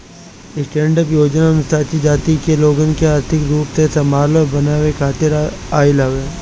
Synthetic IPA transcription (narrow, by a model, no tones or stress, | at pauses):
ɪsʈẽːɳɖəpjoːd͡ʒnamɪst̪ʰaːt͡ʃ̪id͡ʒaːt̪ikeloːɡənkeaːɾt̪ʰɪkɾuːpsesɐmaːləbɐnaːʋekʰaːt̪ɪɾ | aːɪlaʋe